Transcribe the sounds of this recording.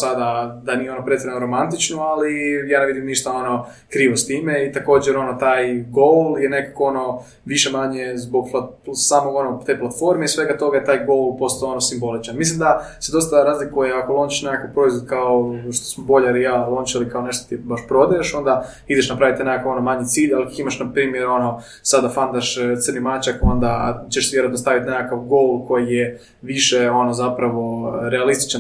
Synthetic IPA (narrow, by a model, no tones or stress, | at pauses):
sad̪ad̪anijeo̞nopɾet̪sʲeɾanoɾo̞mant̪it͡ʃnoalijaːneʋid̪imniʃt̪ao̞no̞ | kɾiːʋost̪iːmeit̪ako̞ːd͡ʑeɾo̞no̞t̪aːjɡolˠjene̞kakoo̞no̞ | ʋiʃe̞maɲe̞zbo̞ɡplasaːmoɡonot̪e̞jplˠat̪fo̞ɾmeisʋe̞ɡat̪o̞ɡajet̪aːjɡo̞lˠpo̞st̪ao̞nosimbo̞lit͡ʃanmislimd̪ased̪o̞st̪aɾaːzlikujeako̞lˠo̞nt͡ʃiʃnekakapɾo̞izʋod̪kaoʃt̪o̥smobo̞ʎaɾijalˠo̞ːnt͡ʃilikaone̞ʃt̪ot̪ibaʃpɾo̞d̪ajeʃo̞nd̪a | id̪eʃnapɾaʋit̪nekakao̞nomaɲit̪siːʎalikakimaʃnapɾiːmjeɾo̞no | sad̪afand̪aʃt̪sɨrnimat͡ʃako̞nd̪at͡ɕeʃsiiɾad̪nost̪aʋit̪nekakaʋɡolˠko̞jije | ʋiʃeo̞nozapɾaʋo̞ɾealist̪i̥t͡ʃan